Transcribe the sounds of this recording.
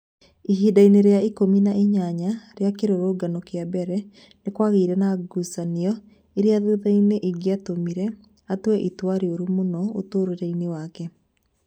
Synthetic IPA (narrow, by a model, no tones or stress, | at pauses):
iɦidaineɾeaikominaiɲaɲaɾeakeɾoɾoɡanokeabɛɾɛ | nekwaɣeiɾɛnaɡusaniɔ | eɾeaðuðaineʔiɡeatomiɾɛ | atwɛʔitwaɾioɾumonɔo̰toːɾeɾainewakɛ